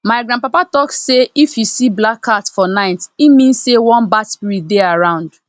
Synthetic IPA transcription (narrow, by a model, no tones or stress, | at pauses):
maɪɡɾãnpapatɔksseifjusiblakʰːatfɔnaɪtimĩnssewɔ̃nbatbɹideaɹãʊ̃nd